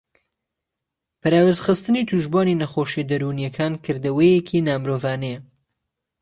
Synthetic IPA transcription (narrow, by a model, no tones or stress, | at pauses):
pʰɐɾaːwezχɨst̪ɨnit̪ʰuʒbaːninɐxoʃid̪ɐɾunjɛkʰaːnkʰɨɾd̪ɐwejekʰiːnaːmɾoːvaːnej